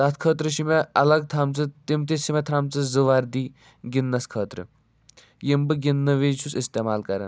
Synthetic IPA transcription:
d̪ɐt̪̚kʰəːt̪ɾɨʃimeɐlɐɡ̚t̪ʰɐmt͡sɨt̪imt̪iʃimet̪ʰɾamt͡sɨzɨʋaɾd̪iː | ɡinːɐskʰəːt̪ɾɨ̰ | jimbɨɡinːɨʋiːt͡ʃʰusist̪emaːlkɐɾɐ̰n

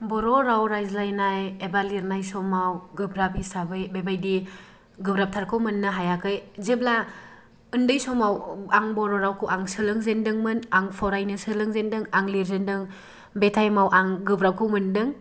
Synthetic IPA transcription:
bɔɾɔɾawɾajzlajnajebaliɾnajsɔmawɡɯbɾap̚hisabɯjbebajdi | ɡɯbɾap̚tʰaɾkʰɯwmɯnːɯɦajakʰɯjzebla | ɯndɯjsɔmawaŋbɔɾɔɾawkʰɯwʔaŋsɯlɯŋzendɯŋmɯnaŋpʰɔɾajnɯsɯlɯŋzendɯŋaŋliɾzendɯŋ | betʰajmawʔaŋɡɯbɾap̚kʰɯwmɯndɯŋ

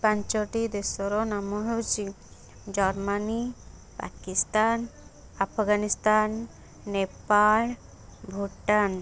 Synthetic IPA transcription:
pãɲt͡ʃɔʈid̪esɔɾɔnamɔɦewt͡ʃi | d͡ʒɔɾmani | pa̰kist̪an | apʰɡanist̪anː | epal | bʱuʈan

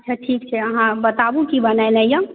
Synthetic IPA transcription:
t͡ʃʰaʈʰik̚t͡ʃʰɛəɦãbət̪abukibənəjnəjə̃

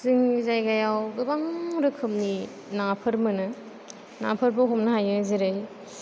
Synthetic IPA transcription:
zɯŋzajɡajawɡɯbaŋɾɯkʰɯm̚ni | napʰɯɾmɯnɯ | na̰pʰɯɾbɯɦomnɐɦajɯziɾɯj

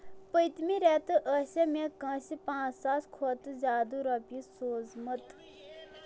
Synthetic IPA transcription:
pəjt̪miɾet̪ɨʔɐsemẽkɐ̃ːsipãːt͡ssaːskʰoːt̪ɨzʲaːd̪uɾɐpisoːzmɐt̪

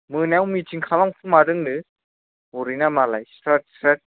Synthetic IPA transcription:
mɯnawmitiŋkʰalamkʰɯmaɾɯŋdɯ | uɾinamalajsɾat̚sɾat̚

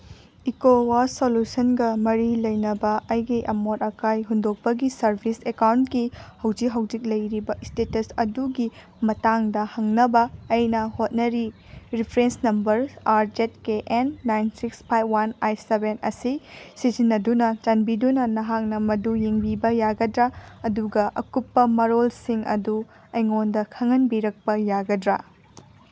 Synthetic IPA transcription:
ikowasolusɐnɡɐmɐɾilɐjnɐbɐɐjɡiʔɐmotɐkajɦundok̚pɐɡisɐɾbʰʱisekawntkihɐwd͡ʒikɦɐwd͡ʒik̚lɐjɾibɐistetɐsɐduɡi | mɐtaŋdɐhɐŋnɐbɐːjnɐhot̚nɐɾi | ɾipʰɾensnɐmbɐɾaɾd͡ʒet̚keʔenːajnsikspʰajbwanajsebenɐ̰sisizinːɐdunɐt͡ʃɐnbidunɐnɐɦak̚nɐmɐdujiŋbibɐjaɡɐdɾaɐduɡɐʔɐkupːɐmɐɾolsiŋɐ̰du | ɐjŋondɐkʰɐŋɐnbiɾɐk̚pɐjaɡɐdɾa

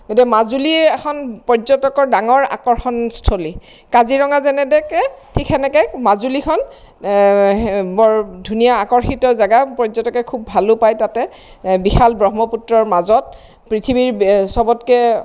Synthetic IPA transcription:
ɡotiɛmazuliɛxʰɔnpɔɹzɔtɔkɔɹdaŋɔɹa̰kɔɹxɔnstʰoli | kaziɹɔŋazɛnɛdɛkɛtʰikʰɛnɛkɛmazulikʰɔn | bɔɹdʱunijaːkɔɹxitɔzaɡapɔzɔtɔkɛkʰubʱalʊpajtatɛ | bixalbɹɔɦmɔputɹɔɹmazɔt̚ | pɹitʰibiɹsɔbɔtkɛ

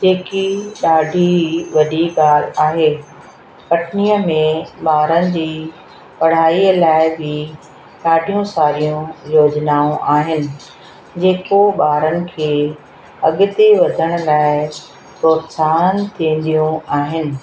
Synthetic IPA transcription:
d͡ʑeːkiɗaːɖʱiʋɐɗiɠaːl̤̆aːɦeː | pɐʈnijəmẽɓaːɾənɪ̆d͡ʑiː | pɐɽ̤aːiəlaːɪbɪ | ɗaːɖʱijũsaːɾijũjoːd͡ʑnaːũʔaːɦɪnɪ̆ | d͡ʑeːkoɓaːɾənɪ̆kʰeː | ɐɠʊt̪eʋɐd̪ʱəɽ̃̆laːɪ | pɾoːt̪saːnt̪ʰĩːn̆d̪ijũaːɦɪnɪ̆

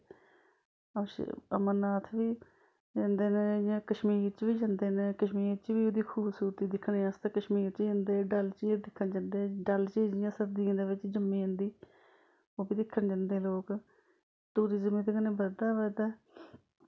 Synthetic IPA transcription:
əʃə̰mənːaːt̪ʰʋiː | d͡ʒãːnd̪eːned͡ʒãːkəʃmiːɾt͡ʃʋiːd͡ʒãːnd̪eːnẽːkəʃmiːɾt͡ʃʋiːoːd̪iːkʰuːbsuːɾt̪iːd̪ɪkʰːneːast̪eːkəʃmiːɾt͡ʃd͡ʒãːnd̪eːɖəlt͡ʃiːɾd̪ɪkʰːənd͡ʒãnd̪eːɖəlt͡ʃiːd͡ʒɪjãːsəɾd̪ɪjãːd̪eːʋɪt͡ʃd͡ʒəmːĩːə̃nd̪iː | oːbiːd̪ɪkʰːənd͡ʒãːnd̪eːloːk | t̪uːɾiːzəmiːt̪eːkənẽːbəɾd̪aːʋəd̪aː

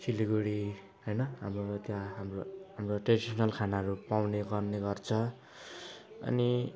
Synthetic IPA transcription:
kʰiliɡuɽi | ɦʌjnʌɦamrot̪jãɦamroɦamroʈredisʌnʌlkʰanaɦʌɾupawneɡʌrneɡʌrt͡sʰʌ | ʌ̰ni

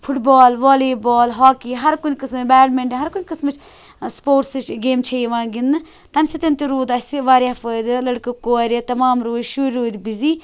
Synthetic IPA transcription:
pʰuʈbaːlʋoːliːboːlɦaːkiːɦɐɾkunʲkɨsmɨbɛːlmeɳʈiɦɐɾkunʲkɨsmɨt͡ʃʰ | spoːɾʈst͡ʃɡeːmt͡ʃʰɐjʋãːɡinːɨ | t̪ɐmsit̪ɐnt̪iɾuːd̪ɐsiʋaːɾʲafəːd̪ɨlɐɽkɨkoːɾʲit̪ɐmaːmɾoːd͡ʒʃuɾʲɾoːd̪biziː

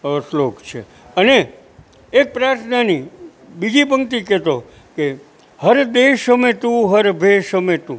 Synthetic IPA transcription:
əslokt͡ʃʰḛ | əneː | k̚pɾaɾt̪ʰnani | bid͡ʒibʱəŋt̪ikɛt̪o | ke | həɾd̪eʃəmet̪ũɦəɾbʱeʃɦəmet̪ũ

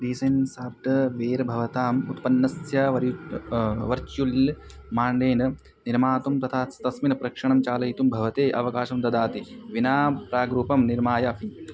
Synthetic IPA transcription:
ɖiːsɐjnsaːpʈɐʋeːɾbʱɐʋɐt̪aːmut̪pɐnːɐsjɐʋɐɾ | ʋɐɾt͡ʃjull | maːɳɖeːnɐ | niɾmaːt̪umt̪ɐt̪ʰaːst̪ɐsminɐpɾɐkʂɐɳɐmt͡ʃaːlɐjt̪umbʱɐʋɐt̪eːʔɐʋɐkaːʃɐmd̪ɐd̪aːt̪iʋinaːpɾaːɡɾuːpɐmniɾmaːjɐɐpʰi

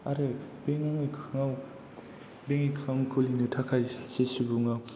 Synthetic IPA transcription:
aɾɯbeŋaŋʰŋaw | beŋikʰamkʰulinɯtʰakʰajsesibuŋaw

